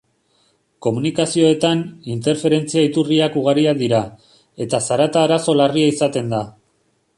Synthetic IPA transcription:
ko̞munikasio̞e̞t̪anint̪e̞ɾfe̞ɾe̞nt͡siait̪uriakuɣ̞aɾiaðiɾa | e̞t̪asaɾat̪aːɾaso̞lariaisat̪e̞nd̪a

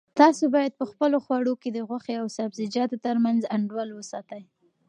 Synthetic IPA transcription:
t̪ɑsobɑjad̪̚pəxpəloxwɑɽoked̪əɣwaxeawsabzɪd͡ʒɑt̪ot̪əɾmanzaɳɖwalwəsɑt̪aj

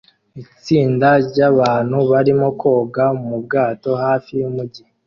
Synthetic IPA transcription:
it͡siːndaɾɟaβaːnhuβaɾimoko̞ːɡaumub̚ɡaːto̞haːfijumuɟi

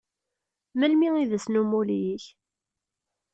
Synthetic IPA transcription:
məlmiiðəsnumuljiç

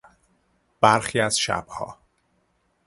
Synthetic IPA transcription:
b̥æɾxiːæz̥ʃæ̰b̥hɒ̰ː

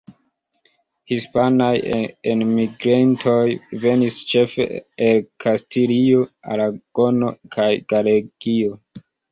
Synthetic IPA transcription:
hispanajenmiɡɾentʰo̞jve̞nist͡ʃe̞fe̞̰elkʰastilioa̰ɾaɡ̥o̞no̞̰kʰajɡaleɡ̥io

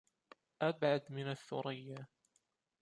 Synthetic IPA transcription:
ʔabʕad̪mɪnaθːʊ̰ɾɪjːa

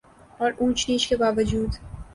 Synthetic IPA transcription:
ɔːɾũːt͡ʃniːt͡ʃkebaːʋəd͡ʒuːd̪

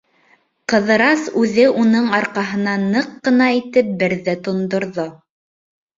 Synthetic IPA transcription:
qɤ̆ðɤ̆ɾɑsʉðɘʔunɤɴɑɾqɑɦɤ̆nɑnɤqːɤ̆nɑit̪ɘp̚bɘ̆ɾðæt̪ŏnd̪ŏɾðo

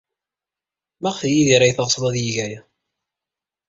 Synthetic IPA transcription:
mæʁθjiðiɾæjθəʁsˤlˤɑðjiʝæjæ

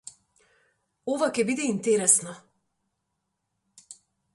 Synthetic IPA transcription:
ovakʲɛbid̪ɛint̪ɛɾɛsnɔ

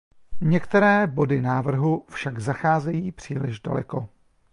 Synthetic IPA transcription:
ɲɛkt̪ɛɾɛːbo̞dɪnaːvr̩ɦufʃaɡzaxaːzɛjiːpr̝̥iːlɪʒda̰lɛ̰ko̞

